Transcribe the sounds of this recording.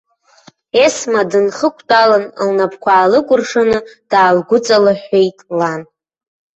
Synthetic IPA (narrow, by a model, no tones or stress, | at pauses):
esmadɨnχəkʷʰtʼalanlnapʰkʷʰaːlɨkʷʼʊrʂanɨd̥aːlɡʷʊt͡sʼalaħejtʼlan